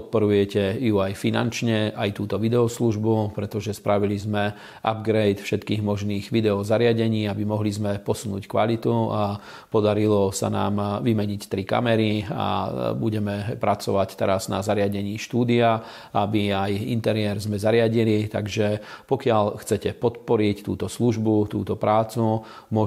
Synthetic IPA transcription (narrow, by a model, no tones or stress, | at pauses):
pɔt̪̚pɔɾujɛcɛjuajfina̰nt͡ʃɲɛʔajt̪uːt̪ɔʋid̪ɛɔsluʒbupɾɛt̪ɔʒɛspɾʔaʋilizmɛ | ʔa̰bɡɾɛjt̪fʃɛt̪kiːɣmɔʒniːɣʋid̪ɛɔzaɾɪaɟɛɲiːabimɔɦlizmɛpɔsunṵːckʋalit̪ua | pɔd̪aɾilɔsa̰na̰ːmʋimɛɲict̪ɾika̰mɛɾia̰buɟɛmɛpɾat͡sɔʋact̪ɛɾazna̰zaɾɪaɟɛɲiːʃt̪uːd̪ia | abiajḭnt̪ɛɾɪɛɾzmɛzaɾɪaɟilit̪a̰ɡʒɛpɔkɪaʎxt͡sɛcɛpɔt̪pɔɾict̪uːt̪ɔsluʒbut̪uːt̪ɔpɾaːt͡su | mʊɔ